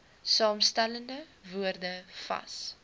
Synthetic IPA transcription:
sɑːmstæləndəvuərdəfɐ̰s

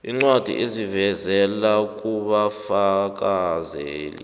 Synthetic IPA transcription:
iŋ͡ǀwad̥ʱḭʔezivɛzɛlak̬uɓafak̬azeːlḭ

